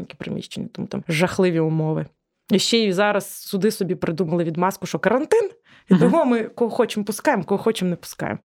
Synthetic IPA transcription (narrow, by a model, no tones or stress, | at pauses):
nʲkʲi̥pɾɪ̰mʲḭʃt͡ʃenʲːɐt̪ɔmṵt̪ɑ̰mʒɐxlˠɪʋʲiʊmɔʋɪ | iʃt͡ʃɛjizɑɾɐssʊd̪ɪsɔbʲipɾɪd̪umɐlˠɪʋʲid̪mɑskʊʃɔkɐɾɐnt̪ɪn | it̪ɔɦɔmɪkɔɦɔxɔt͡ʃɪmpʊskɑjemkɔɦɔxɔt͡ʃɪmnɛpʊ̥skɑ̰jḛm